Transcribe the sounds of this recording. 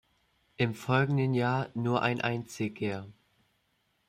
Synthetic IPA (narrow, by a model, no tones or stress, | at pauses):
ʔɪmfɔlɡŋ̩dənjaːɐnuːɐʔa̰ɪnʔaɪnt͡sɪɡə